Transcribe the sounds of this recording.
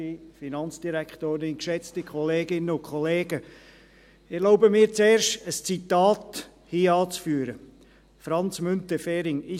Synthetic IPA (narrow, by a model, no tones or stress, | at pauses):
ifinɑnt͡sd̥iɾækʰtoːɾɪnkʃɛt͡stəkʰχɔleːɡɪnːəʊnkʰχɔleːɡə | ɛɾloʊbəmɪːɾt͡seːɾʃtəst͡sitɑːt | hiːɑːt͡sfyːəɾə | fɾɑnt͡smʏntəfɛːɾɪŋɪ